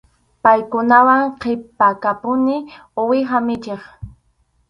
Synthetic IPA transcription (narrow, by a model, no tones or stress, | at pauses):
pajkʊnawaŋqʰepakapʊnɪ | owɪɦamɪt͡ʃeχ